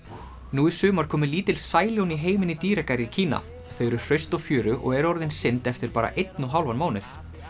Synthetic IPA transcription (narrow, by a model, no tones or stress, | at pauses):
nuisʏːmaɾ̥kʰɔːmʏɪliːt̪ɪlsaːjljowniɦeːjmɪnit̪iːɾɛkaɾicʰiːna̰ | feːɾʏɾ̥r̥œɥst̪ɔɣfjʏːɾʏʔɔ̰ɣɛɾɔɾðɪnsɪnt̪ɛft̪ɪɾ̥paːɾa̰ʔejt̪nuɦawlvanmaːwnɪθ